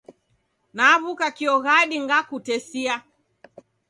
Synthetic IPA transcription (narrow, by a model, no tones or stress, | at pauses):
naːβukakiɔɣaɗiŋɡakutɛsia